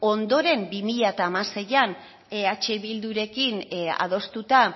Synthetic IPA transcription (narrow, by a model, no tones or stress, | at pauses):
o̞nd̪o̞ɾe̞mbimiʎat̪aːmase̞jan | at͡ʃeβild̪uɾe̞kina̰ð̞o̞st̪ut̪a